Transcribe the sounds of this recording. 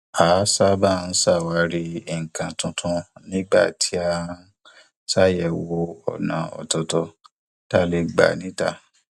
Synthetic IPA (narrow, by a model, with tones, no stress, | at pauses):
a˨˦sa˦ba˦˨˧n̩˦sa˦˨wa˨˧˦ɾi˧i˨ŋ̩˨kã˨tũ˧tʰũ˧nĩ˦ɡ͡ba˦˨tʰi˨˦a˦˧˦ | sa˦˨jɛ˨wo˧ɔ̰˨nã̰˨ɔ̰˨tɔ˧tɔ˧ | ta˦le˧ɡ͡ba̰˨nĩ˦ta˦˨